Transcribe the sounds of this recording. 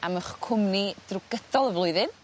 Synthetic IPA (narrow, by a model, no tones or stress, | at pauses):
aməχkʰʊmnid̥rʊɡəd̥ɔlˠəvlˠʊɨðɨn